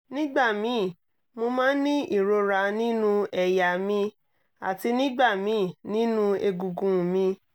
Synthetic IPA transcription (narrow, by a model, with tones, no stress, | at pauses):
nĩ˦ɡ͡ba˦˨mĩ˨˦˨ | mo˧mãː˦nĩ˦ʔi˦˨ɾo˧ɾa˧nĩ˦nũ˦ɛ˧ja˨mĩ˧ | a̰˨ti˧nĩ˦ɡ͡ba˦˨mĩ˨˦˨nĩ˦nũ˦e˧ɡu˧ɡũ˨mĩ˧